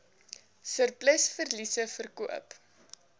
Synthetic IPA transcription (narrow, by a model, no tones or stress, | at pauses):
sərplɛsfərlisəfərkuə̰p